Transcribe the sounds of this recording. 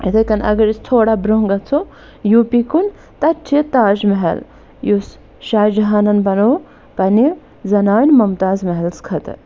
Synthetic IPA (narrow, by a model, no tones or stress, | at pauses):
it̪ʰɐkɐnɐ̰ɡɐɾist̪ʰoːɽabɾoɦŋɡɐt͡sʰo | jupikun | t̪ɐt͡ʃʰit̪aːd͡ʒmɐɦɐ̰l | jus | ʃaːjd͡ʒɐɦaːnɐnbɐno | pɐni | zɐnaːnmɐmt̪aːzmɐɦɐlskʰɐt̪